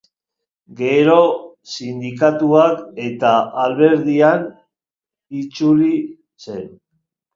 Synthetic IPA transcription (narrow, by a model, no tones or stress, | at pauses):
ɡe̞ɾo̞ | sind̪ikat̪uake̞t̪aːlβe̞ɾðian | it͡suɾi | se̞n